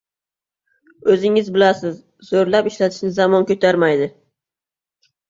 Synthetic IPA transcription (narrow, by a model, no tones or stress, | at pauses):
ɵzɪŋɪzbɪlasɪz̥ːɵɾlapɪʃlat̪ʰɪ̥ʃnɪzɑmɒnkʲʰɵt̪ʰaɾmajd̪ɪ